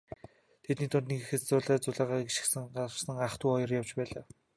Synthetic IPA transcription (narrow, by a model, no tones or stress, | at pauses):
t̪ʰet̪niːt̪ʰʊnt̪niɡxɘ̆t̪t͡sʊːɮæːt͡sʊɮaːʁaːɡeʃɪ̥̆xsɘ̆ŋɢat͡ɕsə̆ŋaχt̪ʰuːɔjɞ̆rjawt͡ɕpæːɮaː